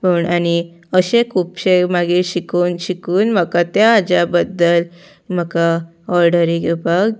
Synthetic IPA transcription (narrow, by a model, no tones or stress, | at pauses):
pəuɳañi | əɕekʰuːpɕemaɡiːɾɕikuːnɕikuːnm̤əkat̪jaːd͡ʑabəd̪ːəl | m̤əka | ɔɾɖəɾiɡubaɡ